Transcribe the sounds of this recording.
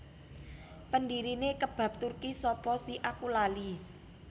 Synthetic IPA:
pəndiɾinekəb̥ä̤p̚t̪urkisɔpɔsiʔakulali

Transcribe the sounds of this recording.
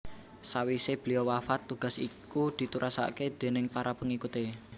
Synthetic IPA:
sawiseb̥liowafat̪ːuɡ̥a̤sḭkud̪̥i̤t̪uɾʔasa̰ked̪̥e̤nɪŋpaɾapəŋikut̪e

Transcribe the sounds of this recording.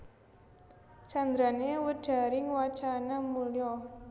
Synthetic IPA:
t͡ʃand̪ɾanewəɖ̥a̤ɾɪŋwḁt͡ʃanamuljɔ

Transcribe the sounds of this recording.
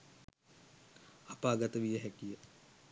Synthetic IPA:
apaːɡat̪əʋijəɦɛkijə

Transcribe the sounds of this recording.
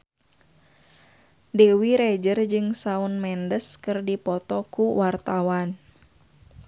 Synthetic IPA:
dewiɾɛd͡ʒərd͡ʒɨŋsaunmɛndəskɨrdipɔt̪ɔkuwart̪awan

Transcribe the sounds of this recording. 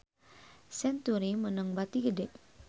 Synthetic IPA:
sɛnt̪uɾimənəŋbat̪iɡədɛʔ̚

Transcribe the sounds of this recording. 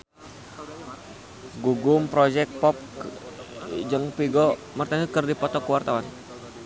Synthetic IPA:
ɡuɡʊmpɾɔd͡ʒɛk̚t̚pɔp̚ | d͡ʒəŋpiɡɔ | mərt̪aŋəkərdipɔt̪ɔkəwart̪awan

